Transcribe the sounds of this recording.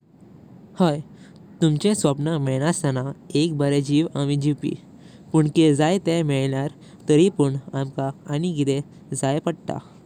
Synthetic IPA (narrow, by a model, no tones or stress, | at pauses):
həj | t̪umt͡ɕẽsʋəpnamɛɭñasanaek̚bəɾed͡ʑiːʋamid͡ʑiwpḭː | puɳked͡zajt̪ɛ̃mɛɭljaɾ | t̪əɾipəɳamkaːñiɡid̪e | d͡zajpəɽt̪a̰